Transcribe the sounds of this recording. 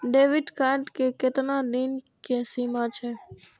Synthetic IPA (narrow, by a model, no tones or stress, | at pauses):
ɖeʋiɖkaɾɖkeket̪nad̪in | kesimat͡ʃʰe